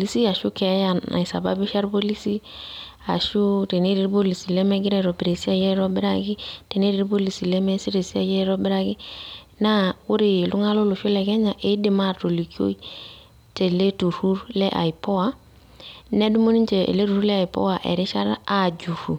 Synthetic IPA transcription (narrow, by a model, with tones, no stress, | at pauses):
pli˦si˦a˨ʃu˦kɛ˨˦ja˨a̰˨i˨sa̰˨ba̰˦bi˦ʃa˦ɾpo˦li˦si˦ | a̰˨ʃu˦ɾe˨ne˦ɾi˦ɾbo˦li˨si˨lɛ˦mɛ˦ɡɪ˦ɾɛ˦˨ɾɔ˨bi˨ɾe˨si˦a˦˨jɛ˦ɾɔ˦bɪ˦ɾa̰˦ɡɪ˦tɛ˨ne˦ɾi˦ɾbo˦li˨si˨lɛ˦mɛ˦si˦ɾe˨si˦a˨jɛ˦ɾɔ˦bɪ˦ɾa˦ɡɪ˦ | na˦ʊ˦ɾɪ˨lʊ˦ŋa˦lo˦lʊ˨ʃo˦lɛ˨ɡɛ˦ɲa˨ʔɪ˦dɪ˨ma˦˨to˨li˨ki˦o̰˦i˦ | te˨le˦tu˨ɾu˦ɾlɛ˦ʔa̰˨i˨pɔ˦a˨ | nɛ˦du˦mo˦ni˦nt͡ʃe˨ḛ˨le˦tu˨ɾu˦lɛ˦a˨i˨pɔ̰˦wa˨ʔɛ̰˨ɾɪ˦ʃa˦ɾa˨d͡ʒu˨fu˨